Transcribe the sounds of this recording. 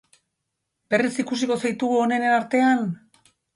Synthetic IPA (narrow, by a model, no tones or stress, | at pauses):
be̞risikusiko̞sajt̪uɣ̞uo̞ne̞ne̞naɾt̪e̞an